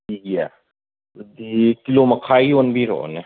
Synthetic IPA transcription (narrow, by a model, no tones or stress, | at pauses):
iɛ̰ | d̪ikilomɐkʰaːionbʱiɾo̰ne